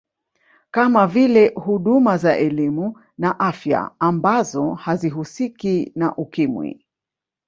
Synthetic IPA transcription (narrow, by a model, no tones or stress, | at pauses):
kamavilɛhuɗumazaʔɛlimu | naʔafja̰ːmbazɔhaziɦusikina̰ʔukimwḭ